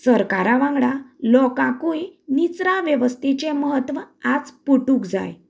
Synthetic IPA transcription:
səɾkaɾaʋãŋɡɽalɔkãkujnit͡sɾaʋjəʋəst̪et͡ɕeməɦət̪ːʋəad͡zpuʈuːkd͡za̰j

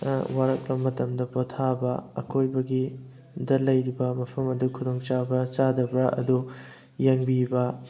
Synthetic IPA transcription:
waɾɐk̚bɐmɐtɐmdɐpotʰabɐɐ̰kʰojbɐɡi | dɐlɐjɾibɐmɐpʰɐmɐdukʰudoŋt͡ʃabɐt͡ʃadɐbɾɐʔɐ̰du | jaŋbibɐ

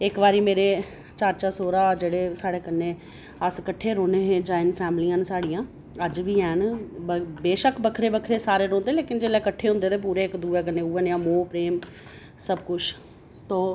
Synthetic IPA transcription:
ɪkʋaːɾiːmeːɾeː | t͡ʃaːɾt͡ʃaːsoːɾaːd͡ʒeːɽeːsaːɽeːkənːeː | əskəʈʰːeːɾõːneːɦd͡ʒaːɪnpʰɛːmliãːnsaːɽijãː | əd͡ʒʋiːɛːn | beːʃəkʰbəkʰɾeːbəkʰɾeːsaːɾeːɾõːnd̪eːleːkɪnd͡ʒeːlɛːkəʈʰːeːɦʊ̃nd̪eːt̪eːp̬uːɾeːɪkd̪uːɛːk̬ənːeːuːəːnjãːmõːpɾeːm | səbkʊt͡ʃʰ | t̪õː

